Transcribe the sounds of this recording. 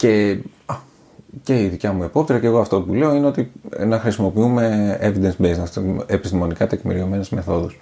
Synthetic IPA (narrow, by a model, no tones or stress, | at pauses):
ce̞ɐ | ce̞iðicɐmuepo̞p̚t̪iɾɐceɣo̞ɐft̪o̞pule̞o̞ine̞o̞t̪inɐxɾisimo̞piume̞evid̪ensbeznesepist̪imo̞nikɐt̪e̞kmḭɾio̞me̞nezme̞θo̞ðus